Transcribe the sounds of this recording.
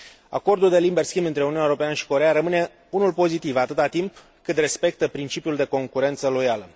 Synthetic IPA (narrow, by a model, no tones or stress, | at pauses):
a̰ko̞rd̪uld̪e̞limbe̞rskʲimbɨnt̪ɾeuniuneoɾopeanəʃi̥ko̞ɾejaɾəmɨne̞ | unulpo̞zit̪ivat̪ɨt̪at̪imp | kɨt̪re̞spe̞k̚t̪əpɾint͡ʃipijuld̪e̞ko̞ŋkuɾe̞nt̪səlo̞jalə